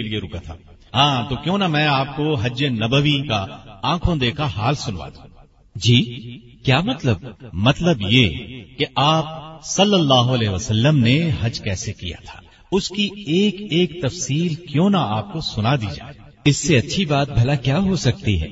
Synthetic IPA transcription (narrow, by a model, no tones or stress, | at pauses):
elieɾʊkat̪ʰa̰ː | ɦãːt̪okjõːnamɛ̃ːaːp̚koɦɐd͡ʒenɐbəʋikaãːkʰõd̪eːkʰaɦaːlsʊnʋa̰ːd̪ũː | d͡ʒiː | kjaːmɐt̪ləb̚mɐt̪ləbjekeʔaːp̚sɐlːəlːaːɦoɐlɛːʋəsɐlːəmneɦɐd͡ʒkɛːsekḭja̰t̪ʰḁː | ʊskieːkeːk̚t̪ɐfsiːlkjõːnaaːp̚kosʊnad̪ḭd͡ʒa̰ːe | ɪsːeɐtːʃʰibaːt̪̚bʱɐlakjaːɦosɐk̚t̪iɦɛ̰ː